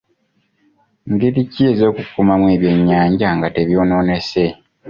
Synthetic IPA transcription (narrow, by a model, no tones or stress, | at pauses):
ŋɡe̞ɾicːie̞zo̞ːkukːumamwe̞ːβjeɲːaːɲɟaŋɡateβjo̞ːno̞ːne̞se̞